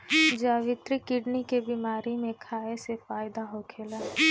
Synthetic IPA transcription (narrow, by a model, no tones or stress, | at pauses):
d͡ʒaːʋɪt̪ɾikɪɖnikebimaːɾimẽkʰaːesefaːjd̪aɦokʰeːlaː